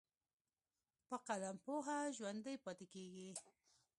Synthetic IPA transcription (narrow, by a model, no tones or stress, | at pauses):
paqalampoɦaʒwand̪ajpat̪ɪkiki